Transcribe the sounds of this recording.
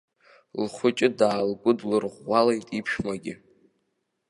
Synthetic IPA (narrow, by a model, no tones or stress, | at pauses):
lχʷʊt͡ʃʼɪdaːlɡʷʼʊdlɨrʁʷalejtʼipʰʃmaɡʲɪ̰